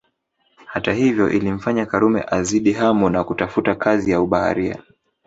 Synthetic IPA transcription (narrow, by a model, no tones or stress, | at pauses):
hatahivjɔʔilim̩faɲakaɾumɛ̰ʔaziɗiɦamɔnakutafutakʰazijauɓaha̰ɾia̰